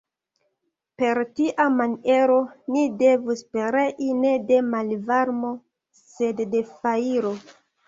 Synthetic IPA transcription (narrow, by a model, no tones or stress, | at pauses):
pe̞ɾtiʔamane̞ɾonide̞vuspeɾeʔine̞de̞malvaɾmo̞ | se̞dːe̞faiɾo̞